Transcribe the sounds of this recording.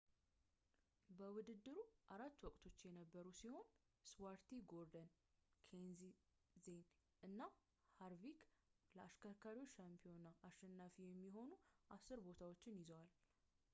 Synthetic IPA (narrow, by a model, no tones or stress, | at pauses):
bəwʊd̪ɨd̪ːɨɾuʔaɾat̪ːwɔkʼt̪ʰo̞t͡ʃːjɛnəbːəɾusiho̞n | swaɾt̪ʰiɡoɾd̪ən | kʰenzi | zen | ʔɨnːa | haɾvikləaʃkʰəɾkʰaɾiwot͡ʃːʃampʰijo̞naʔaʃːɛnːafijɛmːiɦo̞nuʔasɨɾbo̞t̪ʰawot͡ʃːɪnjɪzəwal